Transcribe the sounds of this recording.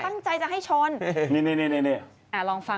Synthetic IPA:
a˥˩ŋt͡ɕa˧jt͡ɕa˨˩ɦa˥˩jt͡ɕʰo˧˥n˩ni˥˩ni˥˩˨ni˥˩ni˥˩ni˥˩ | ʔɛ˧˩lɔː˧ŋfa˧

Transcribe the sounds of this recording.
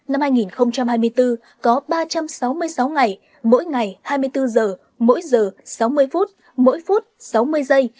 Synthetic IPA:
na˧mhaː˧jŋi˨˩nxə˧wŋ͡mt͡ɕa˧mhaː˧jmɨ˧əjt̪ɨ˧ | kɔ˨˦ɓaː˧t͡ɕa˧msa˨˦wmɨ˧əjsa˨˦wŋa˨˩j | mo̰˧˥jŋa˨˩jhaː˧jmɨ˧əjt̪ɨ˧zəː˨˩ | mo̰˧˥jzəː˨˩sa˨˦wmɨ˧əjfu˦˥t̚ | mo̰˧˥jfu˦˥t̚sa˨˦wmɨ˧əjzə˧j

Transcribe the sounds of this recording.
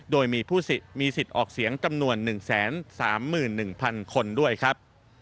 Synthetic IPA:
doː˧jmiː˧pʰuː˥˩si˨˩t̪̚miː˧si˨˩t̪̚ʔɔː˨˩k̚si˩˦əŋt͡ɕa˧mnu˧ənːɯ˨˩ŋsɛː˩˦nsaː˩˦mːɯː˨˩nːɯ˨˩ŋpʰa˧nkʰo˧ndu˥˩əjkʰɾa˦˥p̚

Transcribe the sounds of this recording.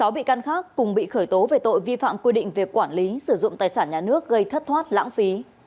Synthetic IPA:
sa˨˦wɓḭ˧˨ka˧nxaː˦˥kːʊ˨˩ŋ͡mɓḭ˧˨xəː˧˩jt̪o˨˦ve˨˩t̪o̰˧˨jvi˧fa̰ː˧˨mkwi˧ɗḭ̈˧˨ŋ̟vi˨˩əkːwaː˧˩nli˨˦sɨ˧˩zʊ̰˧˨ŋ͡mt̪aː˨˩jsaː˧˩nɲaː˨˩nɨ˦˥ək̚ɣə˧jt̪ʰə˦˥t̚t̪ʰwaː˦˥t̚la̰ː˧˥ŋfi˨˦

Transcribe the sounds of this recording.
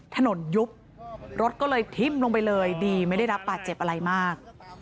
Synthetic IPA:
t̪ʰa˧no˨˩˦nju˦˥p̚ | ɾo˦˥t̪̚kɔː˥˩lɤː˧jt̪ʰi˦˥˩mlo˧ŋpa˧jlɤː˧jdiː˧ma˥˩jda˥˩jɾa˦˥p̚ːbaː˨˩t̪̚t͡ɕe˨˩p̚ʔa˧ɾa˧jmaː˥˩k̚

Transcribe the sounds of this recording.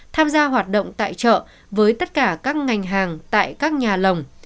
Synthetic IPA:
t̪ʰaː˧mzaː˧ɦwaː˨˩t̚ɗo̰˧˨wŋ͡mt̪a̰ː˧˨jt͡ɕə̰ː˧˨ | vəː˨˦jt̪ə˦˥t̚kaː˧˩kaː˦˥k̚ŋa˨˩jŋ̟ɦaː˨˩ŋt̪a̰ː˧˨jkaː˦˥k̚ɲaː˨˩lə˨˩wŋ͡m

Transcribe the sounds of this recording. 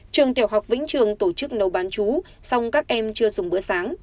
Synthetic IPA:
t͡ɕɨ˨˩əŋt̪i˧˩əwɦa˨˩wk͡p̚vḭ˧˥ŋ̟t͡ɕɨ˨˩əŋt̪o˧˩t͡ɕɨ˦˥k̚nə˨˩wɓaː˨˦nt͡ɕu˨˦ | sɔ˧wŋ͡mkaː˦˥k̚ʔɛ˧mt͡ɕɨ˧əzʊ˨˩ŋ͡mɓɨ˨˧˦əsaː˨˦ŋ

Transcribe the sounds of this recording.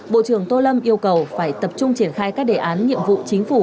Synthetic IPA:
ɓo̰˧˨t͡ɕɨ˧˩əŋt̪o˧lə˧mʔi˧əwkə˨˩wfaː˧˩jt̪ə˨˩p̚t͡ɕʊ˧ŋ͡mt͡ɕi˧˩ənxaː˧jkaː˦˥k̚ɗe˨˩ʔaː˨˦nɲḭ˧˨əmvṵ˧˨t͡ɕï˨˦ŋ̟fu˧˩

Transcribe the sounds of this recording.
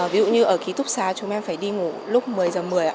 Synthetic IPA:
vi˨˦zṵ˧˨ɲɨ˧ʔəː˧˩ki˨˦t̪ʊ˦˥k͡p̚saː˨˦t͡ɕʊ˨˦ŋ͡mʔɛ˧mfaː˧˩jɗi˧ŋu˧˩lʊ˦˥k͡p̚mɨ˨˩əjzəː˨˩mɨ˨˩əjʔa̰ː˧˦

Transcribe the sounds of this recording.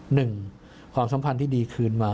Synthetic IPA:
nɯ˨˩ŋ | kʰwaː˧msa˨˦mpʰa˧nt̪ʰiː˥˩diː˧kʰɯː˧nmaː˧

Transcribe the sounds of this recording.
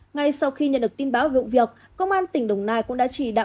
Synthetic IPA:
ŋa˧jsa˧wxi˧ɲə̰˧˨ɗɨ˨˩ək̚t̪i˧nɓaː˨˦wvḭ˧˨wvi˨˩ək̚ːə˧wŋ͡mʔaː˧nt̪ï˧˩ŋɗə˨˩wŋ͡mnaː˨˩jkʊ̰˧˥ŋ͡mɗa̰ː˧˥t͡ɕi˧˩ɗa̰ː˧˨

